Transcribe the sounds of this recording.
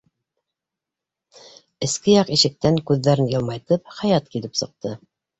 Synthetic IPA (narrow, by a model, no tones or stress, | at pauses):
ɘ̆skɘjɑqiʃɘ̆k̚t̪æŋkʉðːæɾɘnjɤ̆lˠmɑjt̪ɤp̚χæjɑt̪̚kilɘpsɤ̆q̚t̪ɤ